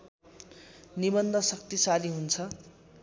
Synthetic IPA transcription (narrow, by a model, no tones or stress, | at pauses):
nibʌnd̪ʱʌsʌk̚t̪isaliɦunt͡sʰʌ